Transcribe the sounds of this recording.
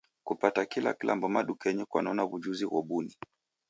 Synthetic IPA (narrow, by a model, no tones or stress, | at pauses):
kupatakila̰kilʔa̰mbɔmaɗukɛɲɛkwanɔnaβud͡ʒuziɣɔ̰ɓuni